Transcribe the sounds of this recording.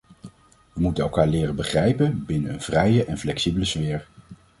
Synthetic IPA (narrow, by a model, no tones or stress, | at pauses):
ʋəmutəɛlˠkaːɹlɪːrənbəχrɛjpənbɪnənənv̥rɛjəʔɛnflɛksibələsʋɪːɹ